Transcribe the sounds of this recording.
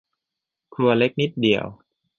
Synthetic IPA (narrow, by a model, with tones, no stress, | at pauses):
kʰɾu˧ɐle˦˥k̚ni˦˥t̪̚di˨˩əw